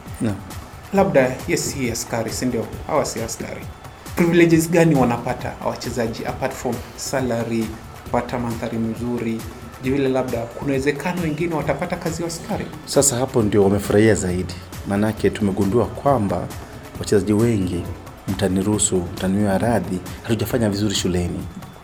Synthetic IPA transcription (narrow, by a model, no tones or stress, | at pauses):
nam | laɓ̚ɗajɛsihiaskaɾisindiɔha̰wasiaska̰ɾḭ | pɾivilɛʄizɠaniwanapata̰wa̰t͡ʃɛzaʄiʔa̰patfɔmsalaɾi | kpatamanðaɾim̩zuɾi | ʄɛvilɛlaɓ̚ɗakunawɛzɛkʰanɔwɛŋɡinɛwatapatakaziwaskaɾḭ | sasahapɔndiɔwamɛfuɾahiazaiɗi | manakɛtumɛɠunduakwamba̰ | wat͡ʃɛzaʄiwɛŋɡi | m̩taniɾusum̩taniiaɾaðihatuʄafaɲavizuɾiʃulɛni